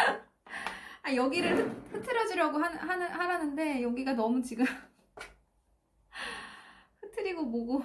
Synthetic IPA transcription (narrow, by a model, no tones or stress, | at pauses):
ajʌɡiɾɯɭɯɸɯtʰɯɾʌd͡ʑiɾjaɡoɦanɦanɯhaɾanɯnde̞jʌɡiɡanʌmut͡ɕiɡɯm | hɯtʰɯɾiɡoboɡo